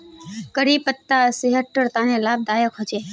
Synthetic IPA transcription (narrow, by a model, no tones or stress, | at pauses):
kəɾipət̪ːasiɦəʈːəɾt̪anelab̚d̪ajəkɦət͡ʃe